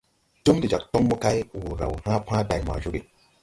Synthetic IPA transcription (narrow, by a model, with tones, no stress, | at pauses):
tu˦mdi˨d͡ʒa˨k̚to˦ŋmu˦ka˦jwu˨ɾa̰˨whã˦pã˦ba˨ma̰˨d͡ʒu˦ɡi˨